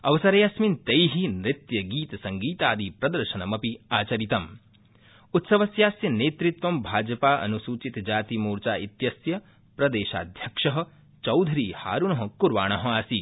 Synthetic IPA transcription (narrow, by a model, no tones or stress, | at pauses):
ɐʋɐsɐɾejasmint̪ɐjɦinɾɪt̪jɐɡiːt̪sɐŋɡiːt̪aːd̪ipɾɐd̪ɐɾʃɐnɐmɐpiaːt͡ʃɐɾit̪ɐm | ut̪sɐʋɐsjaːsjɐneːt̪ɾit̪ʋɐmbʱaːd͡ʒɐpaːʔɐ̰nusuːt͡ʃit̪d͡ʒaːt̪imuːɾt͡ʃaːʔit̪jɐsjɐ | pɾɐd̪eːʃa̰ːd̪ʱjɐkʂɐɦɐ̆ | t͡ʃɐwd̪ʱɾiːha̰ːɾuɳɐɦɐ̃kuɾʋaːɳ̃ɐɦɐ̆aːsi